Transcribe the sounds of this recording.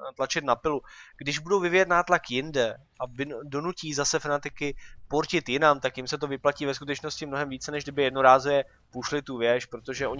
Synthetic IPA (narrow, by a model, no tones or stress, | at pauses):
t̪lat͡ʃɪt̪napɪluɡ̥dɪʒbudo̞wvɪvɪjɛt̪naːt̪lakjɪndɛ | ʔabɪdo̞nuciːzasɛfanɛt̪ɪkɪpoɾcɪt̪jɪnamt̪akjɪmsɛt̪o̞vɪplaciːvɛskut̪ɛt͡ʃno̞scɪmnoɦɛmviːt͡sɛnɛʒɡdɪbɪjɛdnoɾaːzujɛ | puʃlɪt̪uvjɛʃpɾo̞t̪o̞ʒɛʔo̞ɲ